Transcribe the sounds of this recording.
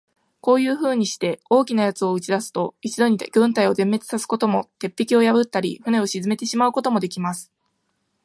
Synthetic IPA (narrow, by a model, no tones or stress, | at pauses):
ko̞ːjɯ̟ːɸɯ̟ːɲ̟iɕi̥t̪e̞o̞ːkʲinajat͡sɨo̞ɯ̟t͡ɕid̪asɨ̥t̪o̞it͡ɕid̪o̞ɲ̟iɡ̥ɯ̟̃nt̪aio̞d̪ẽ̞mːe̞t͡sɨ̥sasɨ̥ko̞t̪o̞mo̞t̪e̞pʲːikʲio̞jabɯ̟t̪ːaɾʲḭɸɯ̟ne̞o̞ɕizɨme̞t̪e̞ɕimaɯ̟ko̞t̪o̞mo̞d̪e̞kʲimasɨ̥